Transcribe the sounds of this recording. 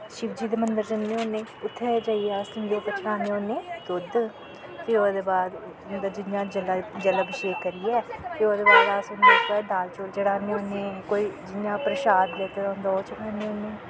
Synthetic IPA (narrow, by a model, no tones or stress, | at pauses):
ʃɪʋd͡ʒiːd̪eːmənd̪əɾd͡ʒənd̪eːoːnẽːʊt̪ʰːeːd͡ʒaːieaːsɪnd̪eːt̪et͡ʃʰəɽaːneõːnẽːd̪ʊd̪ | fʰɪoːd̪eːbaːd̪ | nd̪əd͡ʒɪnjãːd͡ʒəlad͡ʒələbɪʃeːkəɾiɛːfɪoːd̪eːbaːd̪aːsond̪atɛːd̪aːlt͡ʃoːɾt͡ʃəɽaːneːoːnẽːkoːiːd͡ʒɪnjãːpɾəʃaːd̪leːt̪eːɾãːnd̪aoːt͡ʃəɽaːneːoːneː